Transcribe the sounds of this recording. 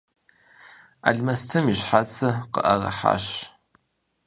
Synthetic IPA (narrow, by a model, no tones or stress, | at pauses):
a̰ɮmɐstʰɐmiɕħat͡sʰɐqə̰ʔɐrɐ̰ħa̰ːʃ